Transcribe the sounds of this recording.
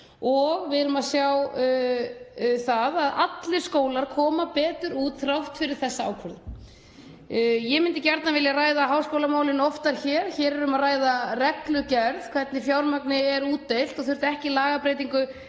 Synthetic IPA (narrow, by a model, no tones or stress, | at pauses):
ɔɣvɪðɾʏmaðsjaw | θaðaða̰t̪lɪɾ̥skoːwlaɾ̥kʰɔːmapɛːt̪ʏɾuːt̪θɾawht̪fɪɾɪɾ̥θɛsːaa̰ːwkʰvʏɾðʏ | jɛmɪnt̪ɪcɛɾt̪navɪljaraːjðaɦawspowlamaːwlɪnɔft̪aɾ̥çɛːɾ̥çɛːɾɛɾɾʏmaðraːjðarɛklʏcɛɾð̥kʰvɛt̪nɪfjawɾmaknɪɛɾuːt̪ːejl̥t̪ɔθʏɾ̥t̪ɛhcɪlaːɣapɾeːjt̪iŋkʏ